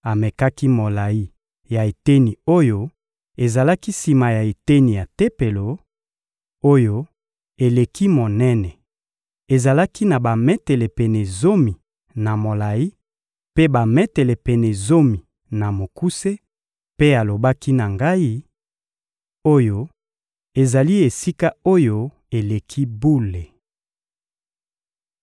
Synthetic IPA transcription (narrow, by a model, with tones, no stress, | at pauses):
a˨me˨ka˦ki˦mo˨la˨i˦ | ja˨e˨te˦ni˨o˦jo˦ | e˨za˨la˦ki˦si˨ma˨ja˨e˨te˦ni˨ja˨te˦pe˨lo˨ | o˦jo˦ | e˨le˨ki˦mo˨nɛ˦nɛ˨ | e˨za˨la˦ki˦na˨ba˨mɛ˦tɛ˨le˨pɛ˨ne˨zo˦mi˨ | na˨mo˨la˨ji˦ | pe˦ba˨mɛ˦tɛ˨le˨pɛ˨ne˨zo˦mi˨ | na˨mo˨ku˦se˦ | pe˦a˨lo˨ba˦ki˦na˨ŋɡa˦i˦ | o˦jo˦ | e˨za˨li˦e˨si˦ka˦o˦jo˦ | e˨le˨kʰi˦bu˦le˨